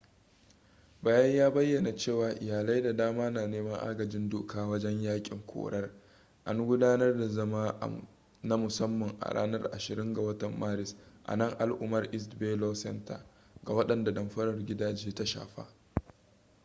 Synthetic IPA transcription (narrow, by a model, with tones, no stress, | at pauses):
baː˨˦jɐ˦ɲjaː˦bɐ˦jːɐ˨na˨t͡ʃeː˦˨waː˨ʔɪ˨jaː˨la˦jda˨daː˦maː˦naː˨neː˦mɐ˦ŋʔa̰ː˦ɡɐ˨d͡ʒɪ˦ndoː˦kʰaː˦wɐ˦d͡ʒɛ˦ɲjaː˦kʲʼɪ˨ŋkʷʰo̰ː˨ɽɐ˦r | ʔa˦ŋɡʷʊ˦daː˦nɐ˦rda˨zɐ˦ma̰ː˦ | na˦mʊ˨sɐ˦mːɐ˨ŋʔa̰˨ɽa̰ː˦nɐ˦rʔa˨ʃɪ˨ɾɪ˦ŋɡa˨wɐ˦tɐ˨mːaː˦ɾɪ˨sʔa̰˨nɐ˦˨ŋʔa˨lʔʊ˦mɐ˦rʔɪ˦s̬beː˦loː˦sɛ̰˦nta̰˨ | ɡa˨wɐ˦ɗɐ˨nda˨dɐ˨mɸɐ˦ɾɐ˨rɡʲɪ˦daː˦˨d͡ʒeː˦ta˦ʃa̰ː˨ɸa̰ː˦